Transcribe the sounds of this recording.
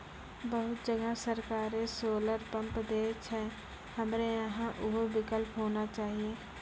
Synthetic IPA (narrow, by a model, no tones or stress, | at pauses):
bəɦʊt̪̚d͡ʒəɡasəɾkaːɾesoːləɾpə̃mpd̪eːt͡ʃɦɛ̃ | həmɾeəɦãʔʊɦobɪkəlpɦoːnat͡ʃaːɦieː